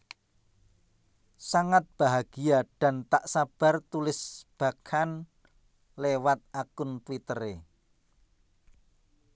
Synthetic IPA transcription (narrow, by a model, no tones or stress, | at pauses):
saŋat̪̚b̥a̤ɦaɡ̥i̤aɖ̥a̤nt̪aʔsab̥a̤rt̪ulɪsb̥a̤kʰan | lewat̪̚akʊnt̪wit̪əɾe